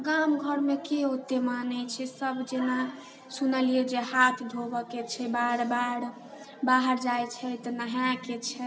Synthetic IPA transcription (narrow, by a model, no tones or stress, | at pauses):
ɡamɡʱəɾmekeot̪ːemanɛt͡ʃʰɛsəbʱd͡ʒena | sunəlied͡ʒehat̪ʰd̪ʱobəket͡ʃʰɛbaɽbaɽ | baɦəɾd͡ʒajt͡ʃʰɛt̪nəɦjãket͡ʃʰɛ